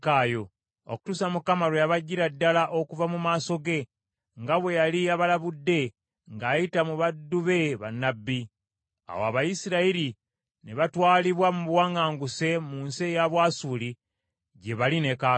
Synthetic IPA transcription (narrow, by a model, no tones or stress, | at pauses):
kaːjo̞ | o̰ku̥tusamukamaɾojaβaɟːiɾadːalaʔo̞kuvamumaːso̞ɡe̞ | ŋɡaβwe̞jaliaβalaβudːe̞ | ŋɡaːjitamuβadːuβe̞βanːabːi | a̰woaβajisiɾaiɾi | ne̞βatwaːliβwamuβwaːŋɡaːŋɡuse̞muːnsejaβwaːsuːli | ɟe̞βaline̞ka